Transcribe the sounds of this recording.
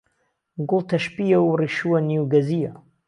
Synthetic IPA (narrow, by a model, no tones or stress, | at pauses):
ɡʊlˠt̪ʰɐʃpijɐwriʃuwɐnuwɡɐzijɐ